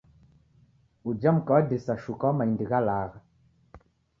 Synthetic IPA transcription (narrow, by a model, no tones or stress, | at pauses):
ud͡ʒamkaadesaʃukamajndiɡalaːɣa